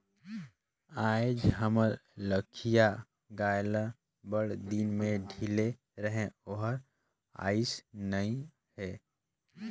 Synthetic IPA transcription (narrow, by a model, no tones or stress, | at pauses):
ajd͡ʒɦəməɾləkʰija | ɡaːjlə | bəɽd̪inmẽɖʱile | ɾəɦẽoɦəɾ | a̰ːisnəĩ | ɦɛː